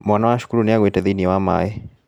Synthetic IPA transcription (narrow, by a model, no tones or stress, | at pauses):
mwanawaaʃu̥kuɾuniaɣwɛtɛðiniwama̰jɛ